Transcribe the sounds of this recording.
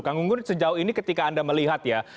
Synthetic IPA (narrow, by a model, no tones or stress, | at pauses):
kaŋɡuŋɡʊnsəd͡ʒauhinikət̪ikaːndaməliɦat̪ja